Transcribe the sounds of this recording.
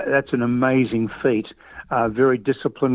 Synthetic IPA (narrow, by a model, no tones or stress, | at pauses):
ðætsɨ̃nəmeɪzɪ̃ŋfit | vɛɹidɪsəpʰlə̃n